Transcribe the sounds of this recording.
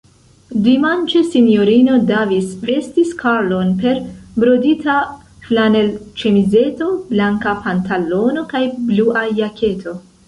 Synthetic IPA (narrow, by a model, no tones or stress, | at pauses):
dimant͡ʃesinjo̞ɾino̞davisve̞stiskaɾlo̞npe̞ɾbɾodita | flane̞lt͡ʃemize̞to̞blaŋkapantalo̞no̞kajbluʔajakʰe̞tʰo̞